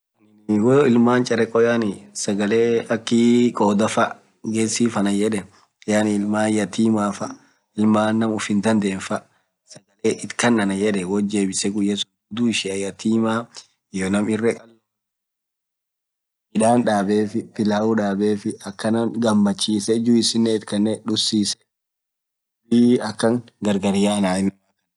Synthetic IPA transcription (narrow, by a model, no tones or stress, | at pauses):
ɐn | woɪlmaːnt͡ʃʼɐɾɛkʼːɔjaːnɪsɐɡɐleːɐkːɪkʼoːd̪ɐfɐ | ɡeːsiːfɐnɐjɛᶑɛ | jaːnɪɪlmaːjɐt̪iːmaːfɐ | ɪlmaːnːɐmʊfɪnd̪ɐnd̪eːnfɐ | sɐɡɐleːʔɪt̪kɐnːɐnɐjɛᶑɛwɔd͡ʒe̞ːbɪsɛɡʊjːɐsɡʊd̪uːɪʃɪɐjɐt̪iːmaː | jonɐmɪrːɛkʼɐl | ɪᶑaːnᶑaːbeːfɪfɪlaːuᶑaːbe̞ːfɪɐkːɐnɐɡɐmːɐt͡ʃːiːsɛd͡ʒuɪsɪnːeɪt̪kɐnːɛᶑʊsːiːsɛ̥ | iɐkːɐŋ | ɡɐɾɡɐɾɪjaːnaːɪm | ɐ